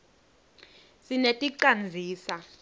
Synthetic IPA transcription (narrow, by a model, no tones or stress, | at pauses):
sinetʼiǀand͡zʱiːsa